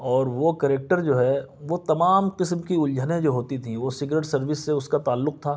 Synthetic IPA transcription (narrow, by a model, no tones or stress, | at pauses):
ɔːɾʋokɐɾeːk̚ʈəɾd͡ʒoːɦɛʋot̪ɐmaːmqɪsmkiʊld͡ʒʱənẽd͡ʒoːɦoːt̪it̪ʰĩʋosɪɡɾeːʈsɐɾʋɪsːeʊskat̪aːlːʊq̚t̪ʰaː